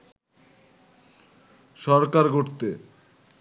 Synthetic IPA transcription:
ʃɔɾkaɾɡʱoɾt̪e

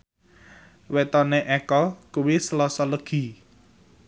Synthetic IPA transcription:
wet̪ɔneʔɛkəlkuwisəlɔsɔləɡ̥i̤

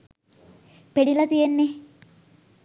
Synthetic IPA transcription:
penilɐt̪ijenːe

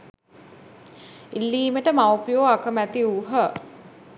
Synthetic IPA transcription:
ilːiːməʈəmawpijoakəmæt̪iuɦə

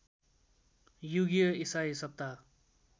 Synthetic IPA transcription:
juɡijʌisaisʌp̚t̪a

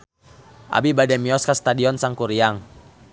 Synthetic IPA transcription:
ʔa̰bibadɛmiɔskast̪adiɔnsaŋkuɾiaŋ

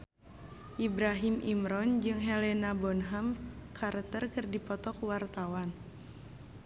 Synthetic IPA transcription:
ʔibɾaɦimʔimɾɔnd͡ʒɨŋɦɛlɛnabɔnɦamkʰart̪ərkɨrdipɔt̪ɔkuwart̪awan

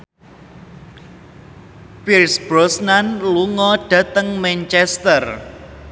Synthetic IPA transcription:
pirsb̥ɾɔsnanluŋɔɖ̥ä̤t̪əŋmɛnt͡ʃɛst̪ər

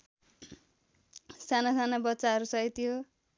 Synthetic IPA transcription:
sanasanabʌtːsaɦʌɾusʌit̪ijo

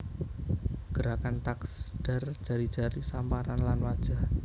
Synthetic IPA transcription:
ɡ̥əɾakant̪aksd̥a̤rd̥ʒ̥a̤ɾid̥ʒ̥a̤ɾisampaɾanlanwad̥ʒ̥a̤h

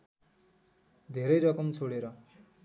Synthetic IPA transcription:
d̪ʱeɾʌjɾʌkʌmt͡sʰoɽeɾʌ

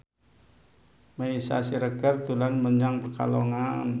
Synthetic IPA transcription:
məisa̰siɾəɡart̪ulanməɲaŋpərka̰loŋan

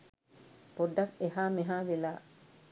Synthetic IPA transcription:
poɖːɐkeɦaːmiɦaːʋelaː

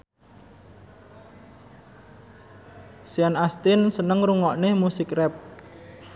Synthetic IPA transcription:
sianast̪ɪnsənəŋruŋɔʔnemusɪkrɛp̚

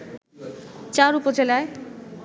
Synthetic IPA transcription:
t͡ɕaɾupod͡ʑelae

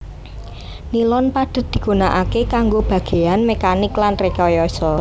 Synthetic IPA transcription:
nilɔnpad̪̥ə̤t̪̚d̪̥i̤ɡ̥unaʔakekaŋɡob̥ä̤ɡ̥e̤anmekanɪklanrekɔjɔsɔ

